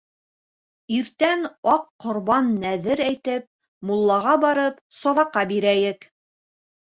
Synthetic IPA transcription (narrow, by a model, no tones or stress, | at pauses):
iɾt̪ænɑqːŏɾβɑnːæðɘɾæjt̪ɘp̚ | mulˠːɑʁɑbɑɾɤp | sɑðɑqːɑbiɾæjɘk